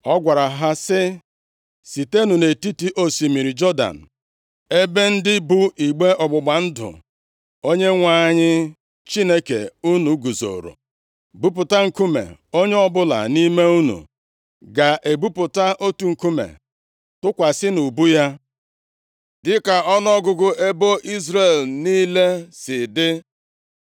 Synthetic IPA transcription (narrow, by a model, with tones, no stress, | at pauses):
ɔ˦ɡʷa˨ɾa˨ɦa˦sɪ˦ | si˨te˦nu˨ne˨ti˦ti˦ʔo˦si˨mi˨ɾi˨d͡ʒɔ˦da̰˨n̩˨ | e˦be˦n̩˦dɪ˦bu˦i˨ɡ͡be˦ʔɔ˨ɡ͡bʊ˨ɡ͡ba˨n̩˦dʊ̰˨ | o˦ɲe˦ŋʷa˨˦˨ɲɪ˦ | t͡ʃi˦ne˦kḛ˨u˦nu˨˦ɡu˨zo̰˨ɾo̰˨ | bu˦pʊ˨ta˦ŋ̩˨ku˦mḛ˨o˦ɲe˦ɔ˦bʊ˦la̰˨ni˦me˦u˦nṵ˨ | ɡa˨ʔe˨bu˦pʊ˨ta˦ʔo˦tu˨ŋ̩˨ku˦mḛ˨ | tʊ˦kʷa˨sɪ˦nu˨bu˦ja˦ | dɪ˦ka˨ɔ˦n˦ɔ˦ɡʊ˨ɡʊ˦ʔe˦bo˦ʔi˦zɾe˨lniː˦le˦sɪ˨dɪ˦